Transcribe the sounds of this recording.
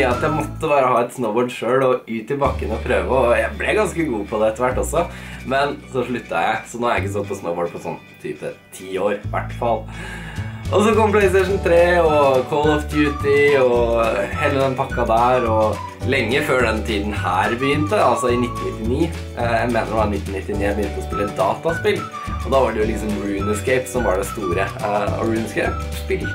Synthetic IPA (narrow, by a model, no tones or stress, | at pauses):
əɑt̪jæɪmɔt̪ːəbɑːɾəɦɑːɛt̪snəʊboːɖʂøːlɔʉːt̪ɪbɑkːənəɔpʰɾøːʋəɔjæɪblɛɡɑnskəɡuːpʰɔd̪ɛɛt̪ːəʋæʈːɔsɔmɛnsɔʂɭʉt̪ːɑjæ̰ɪsɔnoːɑɾæɪkːəs̬ɑt̪̚ːpʰɔsnəʊboːɖ̚pʰɔsɔ̰nːt̪ʰy̰ːpə̰t̪ʰiːoːɾʋæ̰ʈːfɑlˠ | ʔɔsɔkɔmplɛɪst̪ɛɪʂnt̪ʰɾeːɔkʰɔːlɔfd̪jʉːt̪ɪɔheːlːəd̪ɛnpʰɑkːɑd̪æːɾɔ | lɛŋːəføːɖɛnt̪ʰiːd̪n̩hæːɾbəjʏnt̪əɑlsɔɪnɪt̪ːn̩nɪt̪ːɪniː | jæmeːnəɾɖɛʋɑɾɪnɪt̪ːn̩nɪt̪ːɪniːjæɪbəjʏnt̪əɔspɪlːəəd̪ɑːt̪ɑspɪl | ɔd̪ɑːʋɑɖɛjʊlɪksɔmɹʉːnəskɛɪpsɔmʋɑɖɛst̪uːɾə̰ɹʉːnskæ̰ɪpspɪl